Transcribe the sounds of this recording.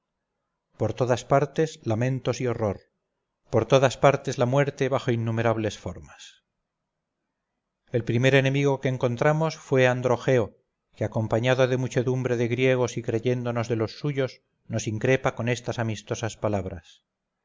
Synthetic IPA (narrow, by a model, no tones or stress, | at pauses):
po̞ɾt̪o̞ðaspaɾt̪e̞slamẽ̞nt̪osio̞ro̞ɾ | po̞ɾt̪o̞ðaspaɾt̪e̞zlamwe̞ɾt̪e̞βaxo̞inːume̞ɾaβ̞le̞sfo̞̰ɾmas | e̞lpɾime̞ɾe̞nẽ̞miɣo̞ke̞ːŋko̞nt̪ɾamo̞sfwe̞and̪ɾo̞xe̞o | keako̞mpaɲaðoðe̞mut͡ʃe̞ðumbɾe̞ðe̞ɣɾje̞ɣ̞o̞sikɾe̞ʝe̞nd̪o̞no̞zðe̞lo̞sːuʝo̞z | no̞siŋkɾe̞pako̞nest̪asamist̪o̞saspalaβ̞ɾa̰s